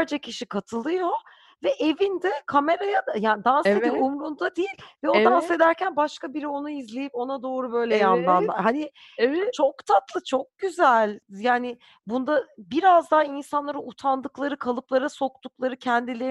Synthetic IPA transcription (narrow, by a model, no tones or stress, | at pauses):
ɾd͡ʒacʰiʃikʰat̪ʰɯlˠɯjo̞ | vɛʔevind̪ɛkʰame̞ɾajad̪ajaːnid̪anseipumɾund̪ad̪ijilʲvɛod̪anse̞d̪æɾcænbaʃkabiɾio̞nuizlʲe̞jipo̞nad̪o̞ːɾubø̞jlʲeɛjand̪and̪ˠahanɪ | t͡ʃʰo̞kt̪ʰat̪lˠɯt͡ʃʰo̞k̚ɟ̥yzælʲjaːnɪ | bund̪abiɾazd̪aɦainsanlˠaɾɯut̪ʰand̪ɯklˠaɾɯkʰalˠɯplˠaɾaso̞k̚t̪uk̚lˠaɾɯcʰɛnd̪ilʲeɾ